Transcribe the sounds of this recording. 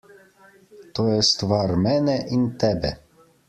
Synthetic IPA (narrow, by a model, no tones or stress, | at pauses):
t̪ojɛst̪ʋaɾmɛnɛʔint̪ɛbɛ